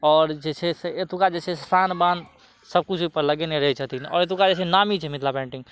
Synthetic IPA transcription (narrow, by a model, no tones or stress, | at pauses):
ɔːɾd͡ʒɛt͡ʃʰɛseet̪ukad͡ʒɛt͡ʃʰɛsanbãnd̪ | səb̚kut͡ʃʰipəɾləɡeneɾəɦɛt͡ʃʰət̪inɔ̰ːɾet̪ukad͡ʒɛsɛnamit͡ʃʰɛmit̪lapɛ̃ɳʈiŋ